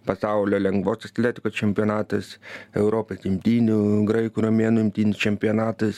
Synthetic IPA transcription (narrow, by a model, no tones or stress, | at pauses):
pɐsɑˑʊlʲoːlʲɛŋɡʋoːsɐt̪ʲlʲeːt̪ʲɪkoːst͡ʃʲɛmʲpʲonɑːt̪ɐsɛʊɾoːpʲesɪmʲt̪ʲiːnʲuɡɾɐɪkuɾomʲeːnʊɪmʲt̪ʲiːnʲɪst͡ʃʲɛmʲpʲionɑːt̪ɐs